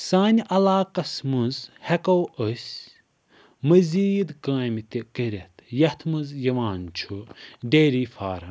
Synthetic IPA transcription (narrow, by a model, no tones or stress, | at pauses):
saːnʲʔɐlaːkɐsmɨnzhɛkɐwəsʲ | mɐzʲiːd̪ɡãːmit̪ikəɾʲɐt̪ʰjɐht̪ʰmɨzjɐʋaːnt͡ʃʰuɖeːɾiːfaːɾɐ